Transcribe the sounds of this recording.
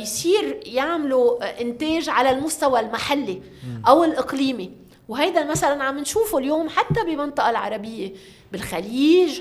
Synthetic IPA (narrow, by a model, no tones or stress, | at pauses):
jsˤiːɾjaʕmluʔɪnt̪eːʒʕalalmʊst̪awalmaħalːi | ʔawɪlʔɪqliːmi | wɦajd̪amasalanʕamːɪnʃuːfuljoːmħat̪ːabɪmɑnt̪ˤɑʔɑlʕɑ̰ɾˤɑbɪjːe | bɪlxaliːʒ